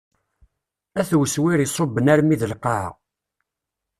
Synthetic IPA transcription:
æθwəswiɾisˤobːənæɾmiðəlqɑʕ̰

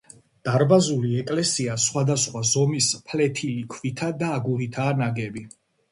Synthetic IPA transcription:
d̪̥aɾbazuliɛkʼlɛsiasχwad̪asχwazɔmispʰlɛt̪ʰilikʰvit̪ʰad̪aːɡuɾit̪ʰaːnaɡɛbi

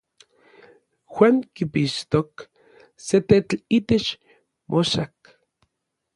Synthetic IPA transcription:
xwaŋkipiʃt̪ok | set̪et͡ɬit̪et͡ʃ | mʔoʃak

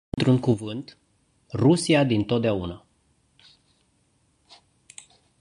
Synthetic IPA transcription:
nt̪ɾuŋkuvɨnt̪ | rusiad̪int̪o̞t̪̚d̪eauna

